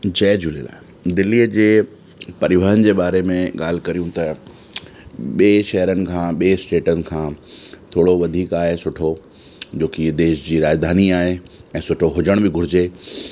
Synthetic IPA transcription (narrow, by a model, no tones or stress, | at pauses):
d͡ʑɐːd͡ʑʊlila̰ːɦɪ | d̪ɪlːiːəd͡ʑeː | pɐɾɪʋəɦənɪ̆d͡ʑeːɓaːɾemẽɠa̰ːl̤kɐɾijũt̪ɐ | ɓieʃɛɦəɾənɪ̆kʰãːɓieːsʈeːʈənɪ̆kʰãːt̪ʰoːɽoʋɐd̪ʱiːkaːɦesʊʈʰo | d͡ʑoːkid̪eːʃd͡ʑiːɾaːd͡ʑd̪ʱaːniaːɦe | ɛ̃ːsʊʈʰoɦʊd͡ʑəɽ̃bɪɡʱʊɾɪd͡ʑeː